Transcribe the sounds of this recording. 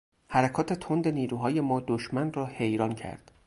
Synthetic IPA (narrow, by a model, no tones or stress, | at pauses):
hæɾækʰɒːt̪ʰe̞t̪ʰo̞nd̪e̞niːɾuːɦɒːje̞mɒːd̪oʃmænrɒːhe̞jɾɒːncʰæ̰ɾd̪̥